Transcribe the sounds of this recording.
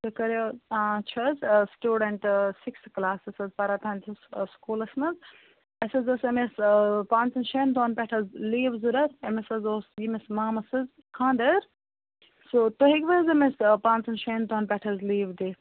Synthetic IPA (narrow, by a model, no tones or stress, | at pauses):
sɐkɐɾoãːt͡ʃʰɐzsʈuːɖɐɳʈsiksklaːsɐsɐzpɐɾaːt̪ʰaːnt̪ʰɐsskuːlɐsnɐz | ɐsɐzɐsɐmespãːnt͡sɐnʃeːnd̪oːnpʲɛʈʰɐzliːʋzuɾɐɾɐmesɐzoːsjimesmaːmɐsɐz | kʰãːnd̪ɐɾ | soːt̪oɦiɡʋɐzɐmespãːnt͡sɐnʃend̪oːnpʲɛʈʰɐzliːʋd̪eː